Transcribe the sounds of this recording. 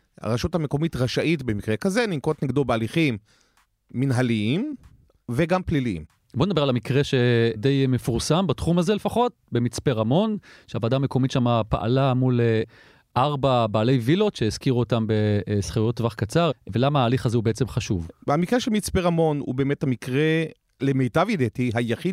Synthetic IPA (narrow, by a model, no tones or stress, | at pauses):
a̰ʁaʃutame̞ko̞mitʁaʃaʔitbemikʁekazenimkotniɡdobealiχimː | inɦaliim | veɡampliliḭm | bonedabe̞alamikʁeʃedejmefuʁsambatχumazelefaχo̞t̚bemit͡speʁamo̞nʃeavad̪aːme̞ko̞mitʃamapa̰ʔa̰lamul | ʔaʁbabaːle̞jvilo̞tʃeiz̥kiʁuotambesχejotvaχkat͡saʁvelamahaːliχazeubeet͡semχaʃuvhamikʁeʃelmit͡speʁamo̞nṵbeeːmethamikʁe | lemejtavid̪etiɦajaχi